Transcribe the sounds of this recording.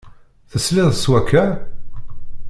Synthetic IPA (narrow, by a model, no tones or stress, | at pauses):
θəslɪðˤswækʰːæ